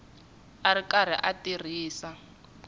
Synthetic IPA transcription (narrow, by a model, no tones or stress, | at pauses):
aɾikaɾ̤ḭʔatir̤iːsa